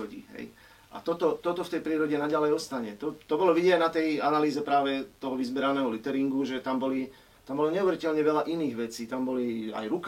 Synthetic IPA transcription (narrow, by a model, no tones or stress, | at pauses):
ɔɟḭɦɛ̰j | ʔa̰t̪ɔt̪ɔt̪ɔt̪ɔft̪ɛjpɾiːɾɔɟɛnaɟalɛjɔst̪aɲɛt̪ɔt̪ɔbɔlɔʋiɟiɲɛnat̪ɛjanaliːzɛpɾaːʋɛt̪ɔɦɔʋizbɛɾanɛːɦɔlit̪ɛɾiŋɡuʒɛt̪ambɔli | t̪ambɔlɔɲɛuʋɛɾicɛlɲɛʋɛlaʔiniːɣʋɛt͡siːt̪ambɔlia̰jɾuk